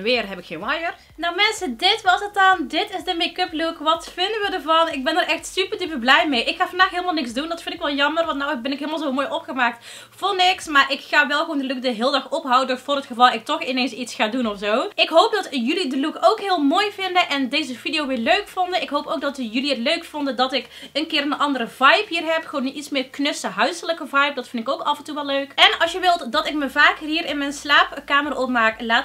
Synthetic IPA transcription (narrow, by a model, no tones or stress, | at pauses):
ʋɪːrɦɛpɪkxeːnajər | nowmɛnsədɪtʋɑsətɔndɪtɪsdəmekɵplukʋɑtfɪndəʋədərvɑnɪɡ̚bɛnəɾʔɛxtsypərdip̬ərblɛjmejʔɪkxaːvɑndaːxɦɪːlˠəmalˠnɪksdundɑtfɪntɪkʋɛlˠjɑmərʋɑntnawbɛnɪkɦɪːlˠmalˠzomoːjʔɔpχəmaːk̚t | vʊːrnɪksmaːɹʔɪkxaːʋɛlˠɣʋondəluk̚dəɦɪːlˠdɑxɔpɦawədɔtfʊːrɦətxəvɑlˠɪk̚tɔxɪnejnsitsxaːdunɔfzowɪkɦowp̚dɑtjɵlidəlukowkɦɪːlˠmoːjvɪndəʔɛndejzəv̥idijowʋɪːløɥkfɔndənɪkɦowpoːɡ̚dɑtjɵliɦətløɥkfɔndəndɑtɪkənkɪːrənʔɑndəɾəvɑjpɦiːrɦɛpxəʋownəʔitsmɪːɹknøsəɦœɥsələkəvɑjp̚dɑtfɪndɪkowkɑvɛntuʋɛlˠløɥkʔɛnɑlˠsjəʋɪlˠtdɑtɪkməvaːkɦiːɾɪnmɛjnslaːpkaːmərʔɔp̚maːklaːt